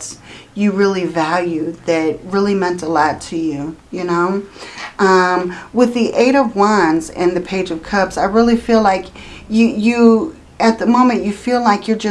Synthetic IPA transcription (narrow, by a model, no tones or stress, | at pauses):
sjɨɹɪlˠivælˠjʉðɨt̚ɹɪlˠimɛ̃ntəlɔtʰɨjʉjɨnoʊʔʌ̃mwɨðiʔeɪɾʌvwʌ̃nzɨ̰̃nðɨpʰeɪd͡ʒʌv̥kʰʌpsaɪɹɪlˠifilaɪkjɨjɨ | ɨt̪̚ðəmõʊ̃mɨ̃nʔɨfilaɪkjə˞d͡ʒʌ